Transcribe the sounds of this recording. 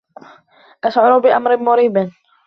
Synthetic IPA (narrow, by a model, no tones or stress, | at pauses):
ʔaʃʕʊɾˤʊbɪʔamɾɪmʊɾiːbɪn